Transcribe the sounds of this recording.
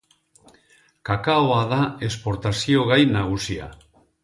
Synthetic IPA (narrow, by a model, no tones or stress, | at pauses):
kakaoaðaespoɾt̪asioɣ̞ajnaɣ̞usia̰